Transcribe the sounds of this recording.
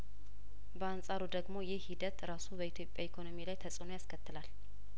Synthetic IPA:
bəansʼaɾud̪əɡmo̞jɪhid̪ət̪ɾasubəit̪ʰjo̞pʼjaekʰo̞no̞milajt̪ʰəsʼɨnojaskʰət̪ːɨlal

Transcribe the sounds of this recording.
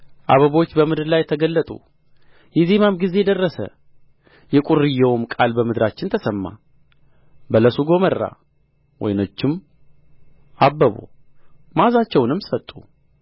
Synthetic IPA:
ʔaβəβot͡ʃːbəmɨd̪ɨɾlajːɛt̪ʰəɡəlːət̪ʼṵ | jɛze̞mamɡize̞jɛd̪ərːəsə̰ | jɛkʼuɾɨjːɛwʊmkʼalbəmɨd̪ɾat͡ʃːɪnt̪ʰəsəmːa̰ | bələsuɡo̞mərːa̰ | wʔɔ̰jnot͡ʃːɪm | ʔabːəβo̰ | mazat͡ʃːɛwnɨmːsət̪ʼːu

